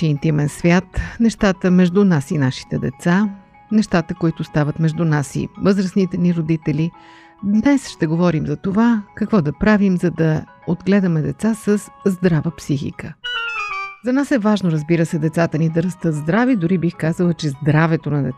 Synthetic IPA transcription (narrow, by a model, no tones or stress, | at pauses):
int̪imɛnsvʲjat̪nɛʃt̪at̪əmɛʒd̪unasinaʃi̥t̪ɛd̪ɛ̰t̪sa | nɛʃt̪at̪əkoit̪ʊst̪avət̪mɛʒd̪unasḭvɤzɾəsnit̪ɛniɾod̪it̪ɛli | d̪nɛsʃt̪ɛɡovɔɾimzɐt̪ovakɐkvɔd̪ɐpɾavimzɐd̪ɐ | od̪ɡlɛd̪ɐmɛd̪ɛt̪sasəsːd̪ɾavəpsixḭkə | zɐnasɛvaʒnoɾəzbiɾəsɛd̪ɛt̪sat̪ənid̪ɐɾɐst̪ɤt̪zd̪ɾavid̪ʊɾibixkazəlˠət͡ʃɛzd̪ɾavɛt̪onɐd̪ɛ